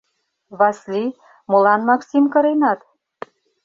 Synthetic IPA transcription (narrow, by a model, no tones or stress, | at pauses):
βɑsli | molɑnmɑksimkɤ̆ɾenɑt̪